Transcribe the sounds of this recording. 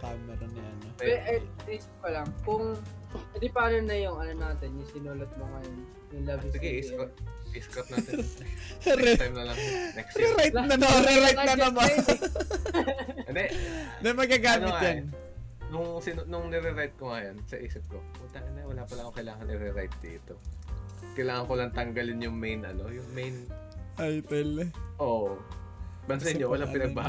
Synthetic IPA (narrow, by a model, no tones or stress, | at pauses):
kajmɛɾɐnɪʔɐnopɛʔɐiːsɪp̚pɐlɐŋkʊŋ | d̪ɪpaːlɐnɐjʊŋɐnonaːt̪ɪnjʊsɪnuːlɐt̪̚moŋɐjon | ʊlɐbɪsɪɡɛiskʔiskɐt̪̚naɛ | ɾt̪ajmnɐlɐŋnɛksɾɛɾajt̪nɐnoɾɛɾajt̪nɐmɐmo | ɛnd̪ɛd̪ɐmɐɡaɡaːmnoŋad͡ʒan | nʊŋsɪnnʊŋnɛɾɛɾajt̪̚koŋɐjonsɐʔiːsɪp̚ko | ɐt̪aʔɐnɐwɐlaːpɐlɐkokɐjlaːŋɐnʔɪɾɛɾajt̪̚d̪ḭɪt̪o | kɐjlaːŋɐŋkolɐŋt̪ɐŋɡɐlɪnjʊŋmejnʔɐ̰lojʊŋmejn | ajpɛlʔoʔ | bɐnsɐɪɲowɐlaŋpɪnɐɡ̚baː